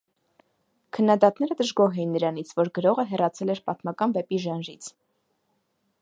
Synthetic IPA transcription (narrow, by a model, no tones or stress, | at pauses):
kʰənːɑd̪ɑt̪nɛɾəd̪əʒɡɔɦɛjinːəɾɑnit͡sʰvɔɾɡəɾɔʁəɦɛrɑt͡sʰɛlɛɾpɑt̪mɑkɑnvɛpiʒɑnʒit͡sʰ